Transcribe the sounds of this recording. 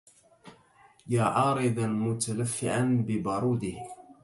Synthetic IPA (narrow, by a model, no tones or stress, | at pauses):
jaːʕɑːɾˤɪd̪almʊt̪alafːɪ̰ʕanbɪbɑɾˤuːd̪ɪh